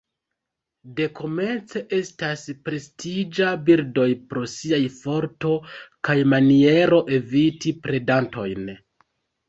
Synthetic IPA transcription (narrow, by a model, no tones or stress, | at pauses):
de̞ko̞me̞nt͡se̞ʔe̞staspɾe̞stid͡ʒabiɾdo̞jpɾo̞siajfo̞ɾto̞kajmanie̞ɾo̞ʔe̞vitipɾe̞danto̞̰jn